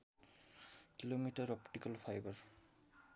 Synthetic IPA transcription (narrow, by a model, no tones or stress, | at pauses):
kilomitaɹɔptikalpʰajbaɹ